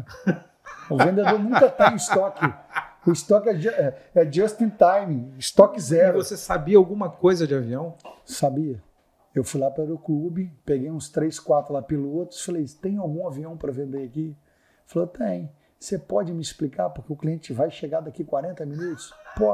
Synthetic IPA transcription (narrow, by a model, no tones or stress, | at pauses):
ʊvẽnd̪ed̪oɾnũkɐt̪ẽj̃ʊist̪ɔkɪʊist̪ɔkɛd͡ʒɛɛd͡ʒɐst̪ĩt̪ajmɪst̪ɔkɪzɛɾʊvosesabiɐawɡũmɐkojzɐd͡ʒɪaviɐ̃w̃sabiɐ | ewfujlapɾɐɾʊklubɪpeɡejũst̪ɾejskwat̪ɾʊlapelʊot̪ɾʊfalejt̪ẽj̃awɡũaviɐ̃w̃pɾɐvẽnd̪eɾaki | falot̪ẽj̃ | sepɔd͡ʒɪmɪisplikaɾpʊɾkeʊkliẽt͡ʃɪvajʃeɡaɾd̪akikwaɾẽnt̪ɐmĩnut̪ʊ̥spɔ